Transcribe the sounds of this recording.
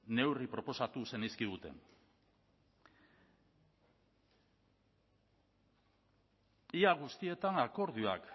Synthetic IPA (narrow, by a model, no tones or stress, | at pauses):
ne̞wripɾo̞po̞sat̪use̞niskiðut̪e̞̰n | iaɣ̞ust̪ie̞t̪aŋako̞ɾðua̰k